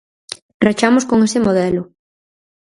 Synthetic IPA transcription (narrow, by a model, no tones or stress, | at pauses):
rat͡ʃamʊskoŋesɪmoðɛlʊ